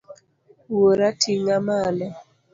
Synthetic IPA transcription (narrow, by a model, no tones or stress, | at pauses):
woɾatʰiŋamalɔ